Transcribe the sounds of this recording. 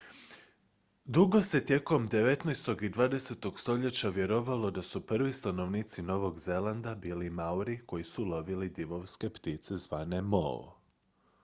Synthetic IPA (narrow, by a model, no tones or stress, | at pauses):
d̪uɡo̞se̞t̪je̞ko̞md̪e̞ʋe̞t̪najst̪o̞ɡid̪ʋaːd̪e̞se̞t̪o̞ɡst̪o̞ʎe̞t͡ɕaʋjeɾoʋalˠo̞d̪asupr̩ʋist̪ano̞ʋniːt̪sino̞ʋo̞ɡze̞land̪abiːlimauɾiko̞jisulo̞ʋilid̪iʋo̞ʋske̞pt̪it̪se̞zʋaːne̞mo̰